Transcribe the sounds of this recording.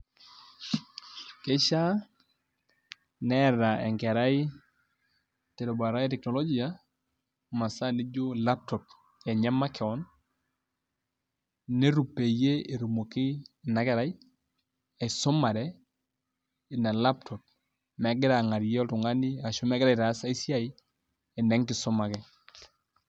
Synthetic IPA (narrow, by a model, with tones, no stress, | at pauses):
ke˦ʃa˦ | nɛ˦ɾa˨ɛ̰˨ŋkɛ˨ɾa˦ɪ˦ | te˨ɾo˨ba˨ɾa˦i˦tɛ˨knɔ˨lo˦d͡ʒi˨a˦ | ma˨sa˦ne˦d͡ʒo˦la˦p̚tɔ˨p̚ | ɛ˨ɲa˦ma˦kʰɛ˨ɔ˦n | ne˦ɾu˨pe˨je˦e˨ɾu˨mo˨ki˦na˨˦kɛ˨ɾa˦i˦ | a˨i˨sɔ˦ma˨ɾɛ | ɪ˨na˨la˦ptʰɔ˨p̚ | mɛ˨˦ɡɪ˦ɾa˨ŋa˨ɾjɔ˦tu˨ŋa˦ni˦a˨ʃu˦mɛ˦ɡɪɾa˨i˨ɾa˨˦sa˦i˦si˦a˦˨i˦ | ɛ˨nɛ˦ŋkɪ˨sɔ˦ma˨kɛ˦